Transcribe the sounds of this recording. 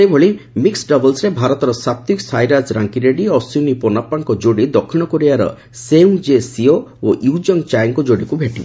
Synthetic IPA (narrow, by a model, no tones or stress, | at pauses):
sebʱɔɭimiksɖɔbɔlsɾebʱaɾɔt̪ɔɾɔsap̚t̪iksajɾasɾaŋkiɾeɖiɔsunipɔnapːaŋkɔd͡ʒoɽid̪ɔkʰːiɽ̃ɔkɔɾiaɾɔ̰ | seuŋd͡ʒesiooʔjud͡ʒɔŋt͡ʃajŋkɔd͡ʒoɽikubʱeʈib